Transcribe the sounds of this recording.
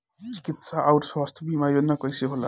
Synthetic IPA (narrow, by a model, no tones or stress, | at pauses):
t͡si̥kit̪saʔawʈswast̪ʰbimajonːʌkʌjseɦola